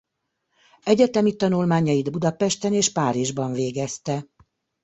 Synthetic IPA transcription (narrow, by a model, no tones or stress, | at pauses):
ɛɟɛt̪ɛmit̪ɒnulmaːɲɒjid̪bud̪ɒpɛʃt̪ɛneːʃpaːɾiʒbɒɱveːɡɛst̪ɛ